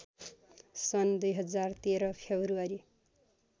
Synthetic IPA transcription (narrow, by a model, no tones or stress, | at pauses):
sʌnd̪ujɦʌd͡zart̪eɾʌpʰebruaɾi